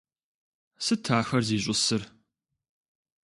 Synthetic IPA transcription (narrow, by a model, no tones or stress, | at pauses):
sɨtʰaːxɐrziːɕʼʊsɨr